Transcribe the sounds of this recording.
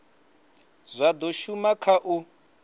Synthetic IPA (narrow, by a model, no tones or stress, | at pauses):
zʷad̪ɔʃumakʰaʔu